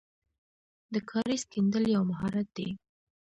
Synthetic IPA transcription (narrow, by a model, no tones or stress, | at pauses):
d̪əkʰɑɾesk̪ind̪əljawmaɦɑɾat̪̚d̪ḛ